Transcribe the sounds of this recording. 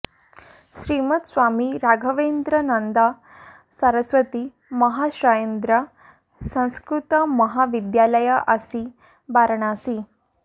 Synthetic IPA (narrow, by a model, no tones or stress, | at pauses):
ɕɾimət̪sʋamiɾaɡʱəʋend̪ɾənənd̪a | səɾəsʋət̪iː | məɦaɕɾajend̪ɾə | sə̃w̃skɾut̪əməɦaʋid̪jaləjaʔasi | baɾɳ̃asiː